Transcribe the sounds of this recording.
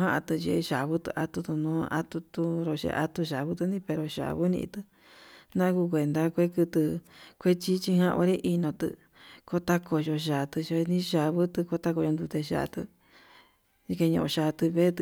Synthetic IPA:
ɦã˦ʔa̰˧t̪ɨ˧ʒḛ˧ʃa˨βɨ˦t̪ɨ̰˧ʔa˧t̪u˧t̪u˧nõː˦a̰˧t̪u˧t̪u˧ɾo˧ʃḛ˧ʔa̰˧t̪u˧ʃa˨βu˦t̪u˧nĩ˦pe˧ɾo˧ʃa̰˨βu˦nḭ̃˧t̪ɨ˧ | nã˦ku˧k̬ʷe˨nd̪a˧kʷe˦kɨ˧t̪ɨ˧kʷe˦t͡ʃi˦t͡ʃi˧hã˦ʔo̰˧ɾi˦ʔi˧nõ˧t̪ɨ̰˧ | ko˦t̪a˦kʰo˧ʒo˧ʃ̬a˨t̪ɨ˧ʒe˧nĩ˦ʃa˨βɨ˦t̪ɨ˧ko˧t̪a˧ko˧jo˧nd̪u˧t̪e˧ʃa̰˧˨˧t̪ɨ̰˧ | i˧ke˧ɲõ̰˧ʔʃa˧˨˧t̪ɨ˧βe˦t̪

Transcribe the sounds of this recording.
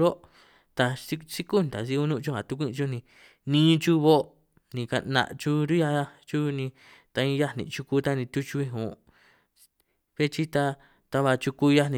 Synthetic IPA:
ɾo˦ | t̪a˧si˦si˦ku˦nt̪a̰˨si˧u˧nũ˦˧t͡ʃu˦ha˨t̪u˧kʷĩ˦˧t͡ʃu˦˧nĩ˧ | nĩː˦t͡ʃu˦βo˦ | nĩ˨ka̰˧nã̰˧ʔt͡ʃu˧ɾi˦ja˧˦t͡ʃu˦nĩ˧ | t̪a˧ĩ˧˦ja˦nḭ̃˨t͡ʃu˧ku˧t̪a˦nĩ˧t̪u˦t͡ʃu˧ĩ˦ɦṵ̃˨ | βe˦t͡ʃi˦t̪a˧ | t̪a˧βa˧t͡ʃu˧ku˧ja˦nĩ˧

